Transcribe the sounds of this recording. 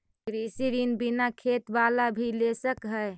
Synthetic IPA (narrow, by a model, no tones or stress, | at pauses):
kɾisiɾinbinakʰet̪balabʱilesəkɦəɪ